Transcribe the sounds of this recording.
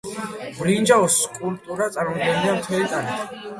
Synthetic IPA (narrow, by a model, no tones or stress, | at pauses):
bɾind͡ʒaɔskʼulp̚ʼt̪ʼuɾat̪sʼaɾmɔmd̪ɡɛnliamt̪ʰɛlit̪ʼani